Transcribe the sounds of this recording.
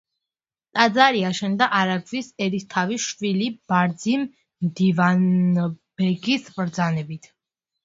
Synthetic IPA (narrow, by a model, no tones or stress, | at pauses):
t̪ʼad̪zaɾiaʃɛnd̪aʔaɾaɡvisɛɾit̪ʰaviʃwilib̥aɾd̪zim | md̪ivanb̥ɛɡisbɾd̪zanɛbit̪ʰ